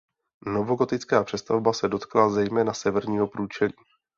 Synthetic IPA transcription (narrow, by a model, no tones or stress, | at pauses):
no̞vo̞ɡo̞t̪ɪt͡skaːpr̝̥ɛst̪avbasɛdo̞t̪klazɛjmɛːnasɛvɛɾɲiːɦo̞pɾuːt͡ʃɛliː